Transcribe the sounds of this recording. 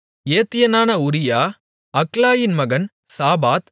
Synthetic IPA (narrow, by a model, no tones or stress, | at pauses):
eːt̪ːɪjɐnaːnɐʊɾɪjaː | ɐklaːjɪnmɐɣɐn | saːbaːt̪